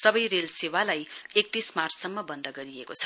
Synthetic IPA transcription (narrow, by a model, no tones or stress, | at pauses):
sʌbʌjrelsewalajek̚t̪ismarssʌmːʌbʌnd̪ʌɡʌɾiekot͡sʰʌ̥